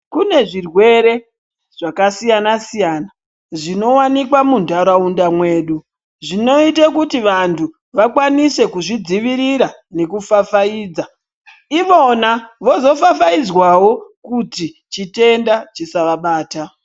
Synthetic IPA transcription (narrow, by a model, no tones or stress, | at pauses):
kune̞ʐirwe̞ɾe̞ | ʐ̥akasijanasijana | ʐino̞wanikwamundaɾaundamwe̞ːɗu | ʐino̞itakutiʋantʰu | ʋakwanise̞kuʐid͡ziʋiɾiɾane̞kufafaiːd͡za | iʋo̞naʋo̞zo̞fafaid͡zwawo̞kutit͡ʃite̞ndat͡ʃisaʋaɓaːta